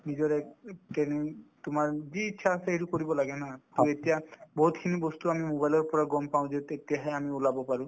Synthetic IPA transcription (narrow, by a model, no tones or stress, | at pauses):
nizɔɹɛʈenitʊmaɹziːtːʃʰaːseetukoɹibɔlaɡɛnatetijabɔɦut̪kʰinibɔst̪uamimobajlɔɹpɔɹaɡɔmpaʊ̃detetijaɦɛamiulabɔpaɹũ